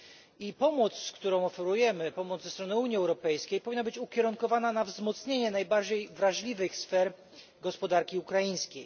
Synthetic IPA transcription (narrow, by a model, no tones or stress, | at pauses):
ipɔmɔt̪sskt̪uɾɔ̃w̃ɔfɛɾujɛmɘpɔmɔd̪zɛst̪ɾɔnɘuɲiɛwɾɔpɛjskʲejpɔvʲinːabɘt͡ɕukʲɛɾuŋkɔvananavzmɔt̪sɲeɲɛnajbaɾd͡ʑejvɾaʐlʲivɘxsfɛɾ | ɡɔspɔd̪aɾkʲiukɾajĩskʲej